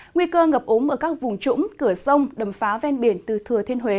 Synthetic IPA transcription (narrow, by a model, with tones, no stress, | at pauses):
ŋwi˧kəː˧ŋə˨˩p̚ʔo˨˦nʔəː˧˩kaː˦˥k̚vʊ˨˩ŋ͡mt͡ɕʊ̰˧˥ŋ͡mkɨ˧˩əsə˧wŋ͡mɗə˨˩mfaː˨˦vɛ˧nɓi˧˩ənt̪ɨ˨˩t̪ʰɨ˨˩ət̪ʰe˧nɦwe˨˦